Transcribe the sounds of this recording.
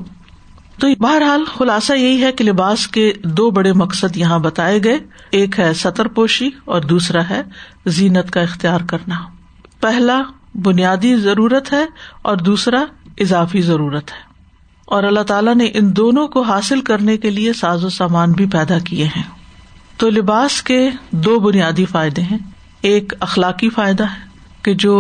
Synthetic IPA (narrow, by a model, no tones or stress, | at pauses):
t̪oːbɐɦəɾɦaːlxʊlaːsajɐɦiɦɛkelɪbaːsked̪oːbɐɽemɐksəd̪jɐɦãbɐt̪aːeɡɐe | eːkɦɛsɐt̪əɾpoːʃiɔːɾd̪uːsɾaɦɛ | ziːnət̪kaɪxt̪ijaːɾkɐɾna | pɛɦla | bʊnijaːd̪izɐɾuːɾət̪ɦɛɔːɾd̪uːsɾaɪzaːfizɐɾuːɾət̪ɦɛ̥ː | ɔːɾɐlːat̪aːlaneʔɪnd̪oːnõkoɦaːsɪlkɐɾnekeliesaːzosaːmaːnbʱipɛːd̪akieɦɛ̃ːt̪oːlɪbaːsked̪oːbʊnijaːd̪ifaːɪd̪ẽɦɛ̃ː | eːkɐxlaːqifaːɪd̪aɦɛː | ked͡ʒoː